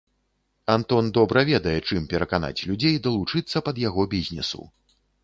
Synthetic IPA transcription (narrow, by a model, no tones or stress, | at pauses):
ant̪ɔnd̪ɔbɾɐvʲɛd̪ɐjɛt͡ʂɨmpʲɛɾɐkana̰t͡sʲlʲud͡zʲejd̪ɐlˠut͡ʂɨt̪sːɐpɐd̪jaɣɔbʲizʲnʲɛsṵ